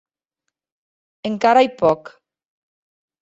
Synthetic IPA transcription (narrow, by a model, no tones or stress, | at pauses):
eŋkaɾajpɔk